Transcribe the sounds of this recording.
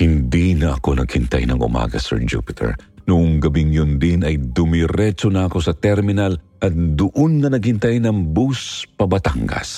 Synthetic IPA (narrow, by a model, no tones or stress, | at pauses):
hɪnd̪inɐʔɐko̞nɐɡ̥̚hɪnt̪a̰jnɐ̰ŋʊ̰ma̰ːɡɐ̰sɛ̰ɹd͡ʒṵpɪt̪ʰɛ̰ɹnʊʔʊŋɡɐbiŋjʊnd̪ɪnɐjd̪ʊmɪɾɛt͡ʃonɐʔɐko̞sɐt̪ɛɾmɪnal | ʔɐt̪̚d̪ʊʔonŋɐnɐɡ̚hɪnt̪ajnɐŋbuspɐbɐt̪aŋɡɐ̰s